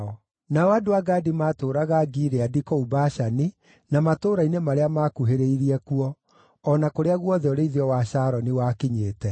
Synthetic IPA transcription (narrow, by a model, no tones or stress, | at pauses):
ɔ | naɔadoaɡaːdimaːtoːɾaɣaɡiɾeadikɔubaʃani | namatoːɾainemaɾeamaːkuɦeɾeiɾiɛkuɔː | nakoɾeaɣwɔðɛɔɾeiðiɔwaɕaːɾɔniwaːkiɲeːtɛ